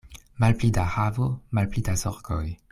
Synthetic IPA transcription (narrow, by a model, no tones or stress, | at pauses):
malplid̪ahavomalplid̪azɔʁkɔj